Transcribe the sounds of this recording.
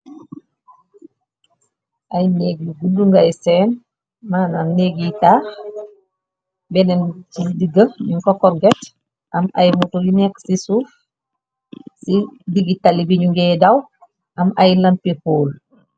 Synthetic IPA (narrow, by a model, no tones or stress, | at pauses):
ʔajneːɡ̚iɡuduŋɡajsɛːn | maːnanːeɡitaːx | bɛnɛnt͡ʃidiɡəɲuŋkɔkːɔɾɡɛt | ʔama̰jmutojinɛksisuːf | sidiɡitalibiɲuŋɡɛdaw | ʔamʔajlampipoːl